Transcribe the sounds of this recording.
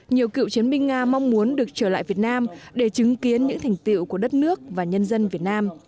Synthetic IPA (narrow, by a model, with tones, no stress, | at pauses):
ɲi˨˩əwkḭ˧˨wt͡ɕi˨˦ənɓï˧ŋ̟ŋaː˧ma˧wŋ͡mmu˨˦ənɗɨ˨˩ək̚t͡ɕəː˧˩la̰ː˧˨jvi˨˩ət̚naː˧mɗe˧˩t͡ɕɨ˨˦ŋki˨˦ənɲɨ̰˧˥ŋt̪ʰɛ˨˩jŋ̟t̪ḭ˧˨wku˧˩əɗə˦˥t̚nɨ˦˥ək̚vaː˨˩ɲə˧nzə˧nvi˨˩ət̚naː˧m